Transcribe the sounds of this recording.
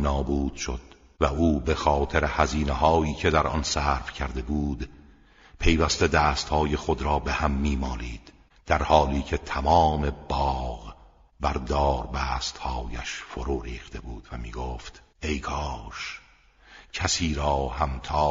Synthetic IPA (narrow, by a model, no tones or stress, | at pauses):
nɒːbuːd̪̥ʃo̞d̪̥ | væʔuːbe̞xɒːt̪ʰeɾehæziːnehɒːiːcʰe̞d̪æɾʔɒ̰nsæːɾfcʰæɾd̪e̞buːd̪ | pʰe̞jvæst̪e̞d̪æːst̪hɒːje̞χod̪ɾɒːbe̞hæmːiːmɒːliːd̪̥ | d̪̥æɾhɒːliːcʰe̞t̪ʰæmɒːme̞b̥ɒːɣ | bæɾd̪ɒːɾbæːst̪hɒːjæʃfoɾuːɾiːxt̪ʰe̞buːd̪̥væmiːɡoːft̪ | e̞jkʰɒːʃ | cʰæsiːɾɒːhæmt̪ʰɒː